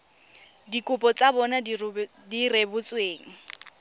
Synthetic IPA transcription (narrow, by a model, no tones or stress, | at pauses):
dikʼʊpʼɔt͡sabɔna | direbʊt͡sʼweːŋ̩